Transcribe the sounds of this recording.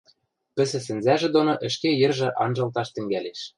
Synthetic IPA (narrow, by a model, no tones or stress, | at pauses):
pɘ̆sɘ̆s̬ɘ̆nzæʒĕd̪onoʔɘ̆ʃkejɘ̆rʒɤ̆ʔɑnʒɤ̆lt̪ɑʃt̪ɘ̆ŋɡæleʃ